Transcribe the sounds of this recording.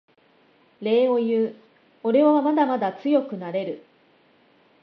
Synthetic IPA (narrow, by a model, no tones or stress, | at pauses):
ɾe̞ːo̞jɯː | o̞ɾe̞βaβamad̪amad̪at͡sɨjo̞kɯ̟naɾe̞ɾɯ̟